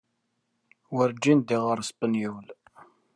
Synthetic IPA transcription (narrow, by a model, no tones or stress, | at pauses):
wəɾd͡ʒind̪iʁəɾˤsˤpənjuwl